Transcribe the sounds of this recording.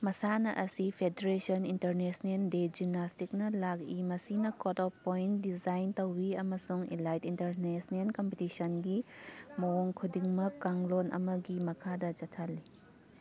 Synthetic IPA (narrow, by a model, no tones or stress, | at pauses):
mɐsanɐʔɐsipʰedeɾesɐnintɐɾnesnelded͡ʒimnːastik̚nɐlakimɐsinɐkotɔpːointdid͡ʒajntɐwːiɐmɐsuŋḭlajtintɐɾnesnelkompitisɐnɡimooŋkʰudiŋmɐkːaŋlonʔɐ̰mɐɡimɐkʰadɐd͡ʒɐtʰɐlːi